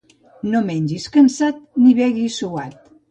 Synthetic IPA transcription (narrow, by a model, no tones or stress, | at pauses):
nomɛɲʲd͡ʒiskənsat̪̚niβɛɣisuat̪̚